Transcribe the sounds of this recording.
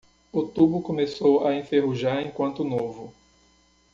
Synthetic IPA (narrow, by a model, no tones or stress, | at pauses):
ot̪ubʊkõmesowaẽfeɦuʒaɾẽkwɐ̃nt̪ʊnovʊ